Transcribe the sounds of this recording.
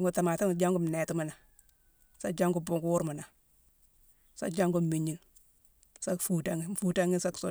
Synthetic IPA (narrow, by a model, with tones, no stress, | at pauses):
ŋɡu˨ta˨ma˨ta˦ŋ˨d͡ʒa˦ŋɡu˦m˨nɛ˨ti˦ma˦˨na˨ | sa˦d͡ʒa˦ŋɡu˦bu˦ŋɡu˦wu˦ɾmu˨na˨ | sa̰˦d͡ʒa˦ŋɡu˦m˨mi˨ɲi˦˨ŋ | sa˦kfu˦ta˦ŋ˦˨fu˦ta˦ŋi˦nsa˦kso˦